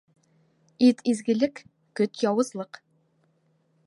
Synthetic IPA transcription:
it̪ʰizɡɘ̆lɘk | kɵt̪jɒwɤ̆zlˠɤq

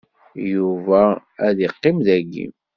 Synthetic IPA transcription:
juvæ | æðiqːɪmðæɡːḭm

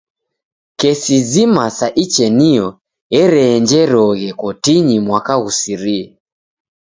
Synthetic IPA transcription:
kɛsizimasaʔit͡ʃɛnijɔ | ɛɾɛːɲd͡ʒɛɾɔɣɛkɔtiɲimwakaɣusiɾiɛ

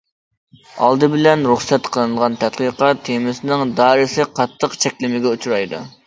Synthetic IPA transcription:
ɑ̰lˠd̪ɨbɪlɛnɾuχsɛt̪qʰəlˠɨnɨlˠʁɑnt̪ʰɛt̪qiqɑt̪ʰːemɪsnɪŋd̪ɑːɾɪsɪqʰɑt̪ʰːəqt͡ʃʰɛkʲlɪmɪɡʲɛut͡ʃʰuɾɑjd̪ṵ

